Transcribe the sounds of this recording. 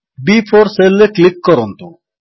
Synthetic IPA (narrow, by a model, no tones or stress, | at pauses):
bifʰɔɾselːeklikːɔɾɔnt̪o